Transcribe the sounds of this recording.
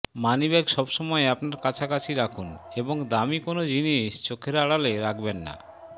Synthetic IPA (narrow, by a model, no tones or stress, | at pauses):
manibɛɡʃɔbʃɔmɔeapnaɾkat͡ɕʰakat͡ɕʰiɾakʰuneboŋd̪amikonod͡ʑiniʃt͡ɕokʰːeɾaɽaleɾakʰbenːa̰